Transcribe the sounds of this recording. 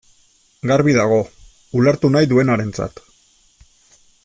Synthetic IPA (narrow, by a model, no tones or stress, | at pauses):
ɡaɾβiðaɣ̞o̞ | ulaɾt̪unajðue̞naɾe̞nt͡sa̰t̪